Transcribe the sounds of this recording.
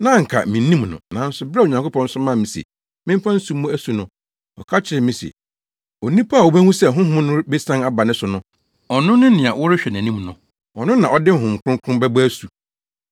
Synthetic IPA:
nã˦ŋ̩˨kʰa̰˨mĩ˨˦ĩ˦m˨nʊ̰̃˨nã˨˦n̩˦sʊ˨bɾa˦˨o˨ɲã˨ŋko˦pʰɔ̃˦n̩˦sʊ˦mã˦˨mĩ˨sɛ̰˨ | mɪ̃˦m̩˦fã˦n̩˦su˦m˦mʊ̃˦æ˦su˨nʊ̃˨ | ɔ̰˨kʰa˦t͡ɕʰɪ˨ɪ˨mɪ̃˨sɛ̰˨ | o˨nĩ˦pʰa˦˨wo˨bæ˦ŋũ˦sɛ˨ɦʊ̃˦ɦʊ̃˦nʊ̃˦be˦sã˦a˦ba˨nɪ̃˦sʊ˨nʊ̃˦ | ɔ˨nʊ̃˦nʊ̃˦nɪ̃˨a˨wʔɔ˦ɾɪ˦ɕᶣɛ˨næ̃˨nĩ˦mnʊ̃˨ | ɔ˨nʊ̃˦nã˨ʔɔ˦dɪ˦ŋ̩˦ɦʊ̃˨ŋ̩˨kʰʊ̃˦ŋkʰʊ̃˦mbæ˦bʊ˦æ˦su˨

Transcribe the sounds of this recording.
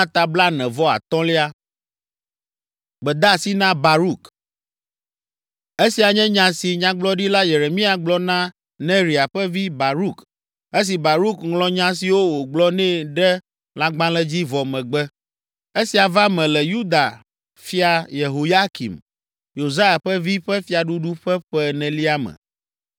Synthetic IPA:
ã˦t̪a˨bla˦nɛ̃˨vɔ˦a̰˨t̪ɔ̃˦li˦a˦ | ɡ͡bɛ˨d̪a˦˨si˦nã˦ba˨ɾu˦k | e˦si˨a˨ɲɛ̃˦ɲã˨si˨ɲã˦ɡ͡blɔ˦ɖi˦la˦je˨ɾe˨mĩ˦a˨ɡ͡blɔ˦nã˦ | nɛ̃˦ɾi˨a˨ɸɛ˦vi˦ba˨ɾu˦˨k | e˦s̬i˨ba˨ɾu˦kŋlɔ̃˦ɲã˦s̬i˨wo˦wo˨ɡ͡blɔ˦nɛ̃˦ɖɛ˦ | la˦ɡ͡bã˦lɛ˦d͡ʑi˦vɔ˨mɛ̃˨ɡ͡bɛ˦ | e˦si˨a˨va˦mɛ̃˨lɛ˨ju˦d̪a˨ | fi˦a˨je˨ɦo˨ja˦kḭ˨m | jo˨za˦ja˨ɸɛ˦vi˦ɸɛ˦fi˦a˨ɖu˦ɖu˦ɸɛ˦ɸɛ˦nɛ̃˨li˦a˦mɛ̰̃˨

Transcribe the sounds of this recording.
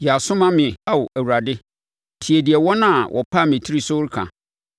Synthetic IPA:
jɛ˨a˨sʊ̃˦mã˦mɪ̃˨a˨wʊ˨ʔæ˨wu˨ɾa˨dɪ˦ | tʰi˨e˨di˨ɛ˨wɔ˦nã˦˨wʔɔ̰˨pʰa˦˨mĩ˨tʰi˦ɾi˦sʊ˦ɾkʰã̰˨

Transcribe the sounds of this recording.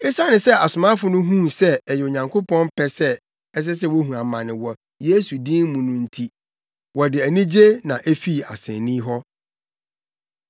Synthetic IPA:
ɪ˦sa˦nɪ̃˨sɛ˦a˨sʊ˨mã˦fʊ˨nʊ̃˦ɦũ˦sɛ˦ɛ˨jɛ˨o˨ɲã˨ŋkʰo˦pɔ̃˦n˦pʰɛ˦sɛ˦ | ɛ˦s̬ɛ˦s̬ɛ˦wo˦ɦũ˨ã˨mã˨nɪ̃˨wɔ˨ | je˦su˨dĩ˦n˦mũ˨nʊ̃˨n̩˨tʰi˨ | wɔ˨dɪ˨æ˨nĩ˦d͡ʑe˦nã˨ʔæ˦fi˦˨a̰˨sɛ̰̃˨nĩ˦ɦɔ˦

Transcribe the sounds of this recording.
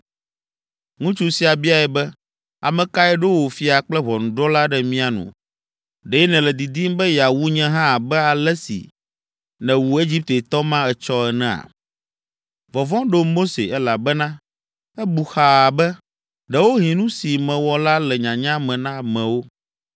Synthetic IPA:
ŋũ˦t͡ʃu˦si˨a˨bi˦a˨ɛ˨bɛ˦ | a̰˨mɛ̃˨ka˦ɛ˦ɖo˦wo˨fi˦a˨k͡plɛ˦βɔ˨nũ˨ɖɔ˦la˦ɖɛ˦mĩ˦a˨nṵ̃˨ | ɖɛ˨jɛ˦nɛ̃˨lɛ˨d̪i˨d̪i˦mbɛ˦ja˨wu˦ɲɛ̃˦ɦã˦˨bɛ˦a˨lɛ˦sḭ˨ | nɛ̃˨wu˨e˦d͡ʑi˦p̚t̪ɛ˨t̪ɔ˦mã˦ɛ˨t͡ʃɔ˦ɛ˨nɛ̃˦˨a̰˨ | vɔ˨vɔ̃˦ɖo˦mo˦sḛ˨ɛ˦la˨bɛ˦nã˦ | ɛ˦bu˨xa˨bɛ˦ | ɖɛ˨wo˦ɦĩ˨nũ˦si˨mɛ̃˨wɔ˨la˦lɛ˨ɲã˨ɲã˦mɛ̃˨nã˦mɛ̃˨wo˦

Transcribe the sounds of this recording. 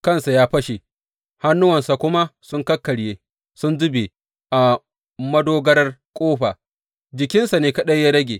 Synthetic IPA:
kɐ˦nsa˨jaː˦ɸɐ˦ʃe˨ | ha˦nːʊ˦wɐ˨nsa˨kʷʊ˦ma˦sʊ˦ŋkɐ˦kːɐ˨ɽjeː˦ | sʊ˦nzʊ˦be˨ | ʔa˨ | mɐ˦doː˦ɡɐ˦ɾɐ˦rkʷʼoː˦ɸaː˨ | d͡ʒɪ˨kʲɪ˦nsa˨neː˦kɐ˦ɗɐ˦jjaː˦ɾɐ˦ɡʲeː˨

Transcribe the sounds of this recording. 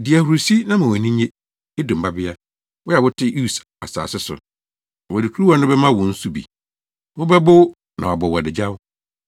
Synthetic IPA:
di˨æ˨hu˨ɾu˨si˦nã˦mã˨wɔ˨nĩ˦ɲẽ˦ | e˦dʊ̃˨m̩˨ba˦bɪ˦a˦ | wɔ˦ja˨wʊ˦tʰɪ˦u˦˨s | a̰˨sa̰ː˨sɪ˦sʊ̰˨ | wɔ˨dɪ˨kʰu˦ɾu˦a˨˦nʊ̃˦bɛ˦mã˦˨wɔ̃˨n̩˦su˦bḭ˨ | wʊ˦bɛ˦bʊ˦ | nã˨wa˨bɔ˨wɔ˨dɪ˨d͡ʑa˦w

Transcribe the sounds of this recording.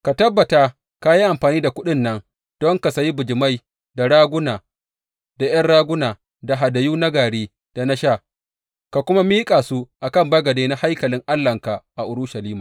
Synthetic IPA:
ka˨tɐ˦bːɐ˨ta˦ | ka˦ji˦ʔa˨mɸaː˨niː˦da˨kʷʊ˦ɗɪ˦nːɐ˦ŋ | d̥ɔ˦ŋka˨sa˨ji˦bʊ˨d͡ʒɪ˨ma˦j | da˨ɽaː˦ɡʷʊ˦naː˨ | da˨j̰ɐ˦nɽaː˦ɡʷʊ˦naː˨ | da˨ɦa˨da˨juː˦na˦ɡaː˨ɽeː˦ | d̥a˨na˦ʃa˦˨ | ka˨kʷʊ˦ma˦miː˦kʼaː˨su˦ʔa˨kɐ˦˨mbɐ˦ɡɐ˨deː˦na˦ha˦jkɐ˨lɪ˦ŋʔa˦lːɐ˨ŋka˨ʔa˨ʔʊ˨ɽʊ˦ʃa˨liː˦maː˨

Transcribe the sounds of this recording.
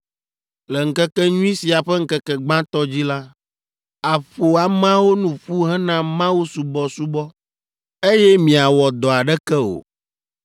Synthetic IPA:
lɛ˨ŋ̩˦kɛ˦kɛ˦ɲũ˦i˦si˨a˨ɸɛ˦ŋ̩˦kɛ˦kɛ˨ɡ͡bã˦t̪ɔ˦d͡ʑi˦la˦ | a˨ɸo˨a˨mã˦wo˦nũ˨ɸu˦ɦɛ̃˦nã˦mã˦wu˦su˨bɔ˦su˦bɔ˦ | e˦jɛ˦mĩ˨a˨wɔ˨d̪ɔ˨a˨ɖɛ˦kɛ˦o̰˨

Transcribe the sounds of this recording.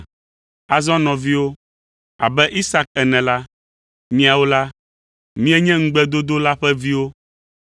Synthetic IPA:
a˨zɔ̃˦nɔ̃˨vi˦wo˦ | a̰˨bɛ˦ʔi˦sa˦k̚ɛ˨nɛ̃˨la˦ | mĩ˦a˨wo˦la˦ | mĩ˦ɛ˦ɲɛ̃˦ŋ̩˦ɡ͡bɛ˦d̪o˦d̪o˦la˦ɸɛ˦vi˦wo˦

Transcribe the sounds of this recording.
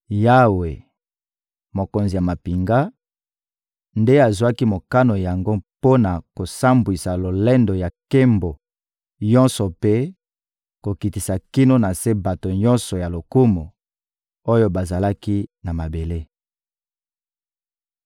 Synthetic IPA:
ja˦we˨ | mo˨ko˨nzi˨ja˨ma˨pi˨ŋɡa˦ | nde˦a˨zwa˦ki˦mo˨ka˦no˨ja˨ŋɡo˦po˦na˨ko˨sa˦mbwi˨sa˨lo˨lɛ˦ndo˨ja˨ke˦mbo˨ | ɲɔ̃˦nsɔ˨pe˦ | ko˨ki˨ti˨sa˨ki˦no˦na˨se˦ba˨to˨ɲɔ˦nsɔ˨ja˨lo˨ku˦mo˨ | o˦jo˦ba˨za˨la˦ki˦na˨ma˨be˨le˦

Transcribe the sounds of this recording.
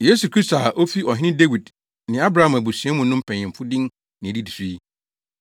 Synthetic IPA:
je˦su˨kʰɾi˦sta˨ʔo˦fi˦ʔɔ˨ɦɪ̃˦nɪ̃˦de˦wi˨d | nɪ̃˨a˦bɾa˨˦ã˨m˨æ˨bu˨sĩ˨ɛ̃˦mʊ̃˨nʊ̃˦m̩˦pʰæ̃˨ɪ̃˨m̩˨fʊ˦dɪ̃˦ŋ | nɪ̃˨e˨di˦di˨si˦i˦

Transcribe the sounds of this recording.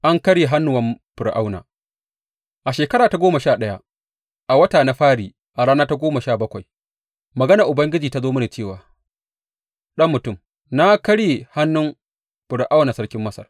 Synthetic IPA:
ʔa˦ŋkɐ˦ɽeː˨ɦa˦nːʊ˨wɐ˦mɸɪ˨ɾʔa˦wna̰ː˨ | ʔa˨ʃeː˨kɐ˦ɾaː˨ta˨ɡʷoː˦mɐ˨ʃaː˦˨ɗɐ˦ja˦ | ʔa˨wɐ˦taː˨na˦ɸaː˦ɽiː˨ | ʔa˨ɽaː˦naː˦ta˦ɡʷoː˦mɐ˨ʃaː˦˨bɐ˦kʷa˨j | mɐ˨ɡɐ˦na˨ʔʊ˨bɐ˦ŋɡʲɪ˦d͡ʒiː˨ta˦zoː˦mʊ˦na˨t͡ʃeː˦˨waː˨ | ɗɐ˦mːʊ˨tʊ˦˨m | na˦kɐ˦ɽeː˨ha˦nːʊ˦m | ɸɪ˨ɽʔa˦wnaː˨sɐ˦ɽkʲɪ˦mːɐ˦sɐ̰˨r

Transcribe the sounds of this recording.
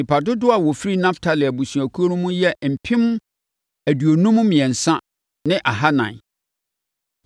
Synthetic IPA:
ĩ˨pʰa˨dʊ˦dʊ˦a˨wɔ˨fi˦ɾi˦nã˦ftʰa˨lɪ˨æ˨bu˨sũ˨æ˨kʰu˦o˦nʊ̃˦mũ˦jɛ˦m̩˨pʰɪ̃˦m˦ | æ˨du˨o˨nũ˦m̃˦mĩ˨ɛ̃˨n̩˨sã˦ | nɪ̃˦ʔa˨ɦa˦nã̰˨

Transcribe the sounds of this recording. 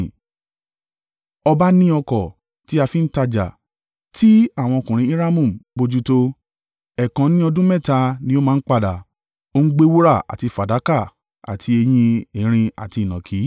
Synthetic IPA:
ɔ˧ba˦nĩ˦ɔ˧kɔ˨ | ti˦a˧fi˦n̩˦ta˧d͡ʒa̰˨ | ti˦a˦˨w̃ɔ̃˧o˧kũ˨ɾ̃ĩ˧˦i˦ɾa˦mũ˦˨m˨bo˧d͡ʒu˦to˧ | ɛ˨kã˨˦nĩ˦ɔ˧dũ˦mɛ̃˦˨ta˧nĩ˧˦o˦mãː˦˧˦k͡pa˦˨da˨ | o˦ŋ̩˦ɡ͡be˦wo˦ɾa˦˨a̰˨ti˧fa˨da˨˦ka˦˨ | a̰˨tʰi˧e˧j̃ĩ˧e˨˦ɾ̃ĩ˧a̰˨ti˧˨nã˨kʰi˨˦

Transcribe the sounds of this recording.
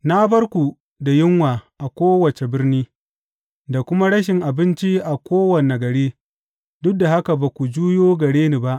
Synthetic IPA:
na˦bɐ˦rkʷu˨ | da˨jɪ˦ŋwaː˨ʔa˨kʷoː˦wɐ˨t͡ʃe˨bɪ˦rniː˦ | da˨kʷʊ˦ma˦ɽɐ˦ʃɪ˨ŋʔa˨bɪ˦nt͡ʃi˦ʔa˨kʷoː˦wɐ˨ne˨ɡɐ˨ɽeː˦ | dʊ˦da˨ha˦ka˨ba˨kʷu˨d͡ʒuː˦joː˦ɡɐ˨ɽeː˦niː˨ba˦ʔ

